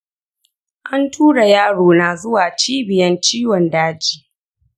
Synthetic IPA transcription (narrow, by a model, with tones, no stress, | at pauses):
ʔa˦ntʰuː˦ɽa˨jaː˦ɽoː˨na˨zʊ˦waː˨t͡ʃiː˦bɪ˨jɐ˦nt͡ʃiː˦wɔ˨ndaː˦d͡ʒiː˨